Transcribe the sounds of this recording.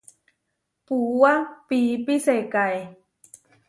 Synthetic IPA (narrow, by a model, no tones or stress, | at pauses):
puːwapiːpiseːt̚kaj